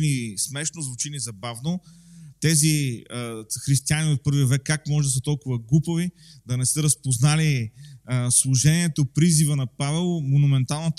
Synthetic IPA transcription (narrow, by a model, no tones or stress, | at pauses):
nismɛʃnozvʊt͡ʃinizɐbavnot̪ɛziəxɾist̪ianinifpɤɾviəvɛkːakmɔʒɛd̪ɐs̬ət̪ɔlˠkʊvɐɡˠupəvid̪ɐnɛsɛɾɐspoznali | slˠʊʒɛniɛt̪opɾizivənɐpavɛlˠmonumɛnt̪alˠnət̪